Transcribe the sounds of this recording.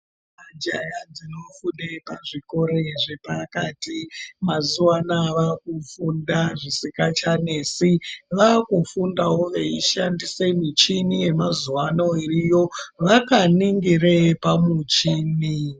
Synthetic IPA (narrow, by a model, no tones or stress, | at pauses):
ad͡ʒajad͡zino̞funepaʐiko̞ɾeʐepakatimazuwanaʋakufundaʐisikat͡ʃane̞siʋakufundawo̞ʋe̞iʃandise̞mit͡ʃinije̞mazuwano̞irijo̞ʋakaniŋɡirepamut͡ʃiːni